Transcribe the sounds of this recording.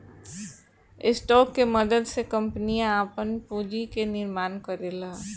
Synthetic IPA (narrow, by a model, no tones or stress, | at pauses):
ɪsʈɔːkːemɐd̪əd̪sekɐ̃mpnijãaːpənpuːd͡ʒikenɪɾmaːnkɐɾeːlaː